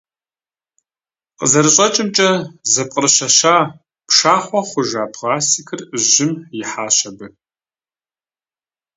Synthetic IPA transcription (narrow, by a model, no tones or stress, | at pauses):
qəzɐɾɨɕʼɐt͡ʃʼɪmt͡ʃʼɐzɐp̚ʼqʼərɨɕɐʃaː | pʂaːχʷɔχʷʊʒaːpʰʁaːsikʰɨrɨʒɪmjɪħaːɕɐbɨ